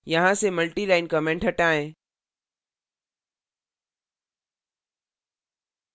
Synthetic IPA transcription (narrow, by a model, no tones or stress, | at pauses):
jɐɦãsemɐlʈilaːɪnkɐmẽːɳʈɦɐʈaːẽː